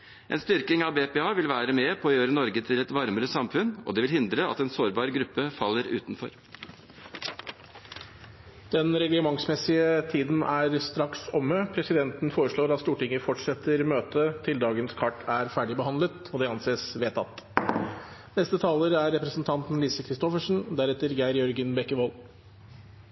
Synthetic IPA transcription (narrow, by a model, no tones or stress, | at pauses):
ʔɛ̰nst̪ʏɾkɪŋɑbeːpɛːɑːʋɪlʋæːɾəmeːpʰɔːjøːɾənɔɾɡət̪ʰɪlɛt̪ʋɑɾməɾəsɑmfʉnɔ̰d̪ɛʋɪlhɪnd̪ɾəɑ̰t̪ɛnsoːɾbɑːɾɡɾʉpːəfɑlːəɾʉ̰ːt̪nfɔ̰ɾ | d̪̥ɛnɾɛɡləmɑŋsmɛsɪət̪ʰiːd̪n̩æɾst̪ɾɑksɔmːəpʰɾɛsɪd̪ɛnt̪nfoːɾəʂɭoːɾɑt̪st̪uːʈɪŋːəfɔʈʂɛt̪ːəɾmøːt̪ət̪ʰɪld̪ɑːɡənskʰɑʈːæɾfæːɖɪbəhɑnlət̪ɔd̪ɛɑnseːsʋeːt̪ʰɑ̰t̪ː | nɛst̪ət̪ʰɑːləɾæɾːɛpɾəsn̩t̪ʰɑnt̪n̩liːsəkʰɾɪst̪ɔfəʂn̩d̪æɾɛt̪ːəɾɡæɪɾjɔɾɡənbɛkːəʋɔl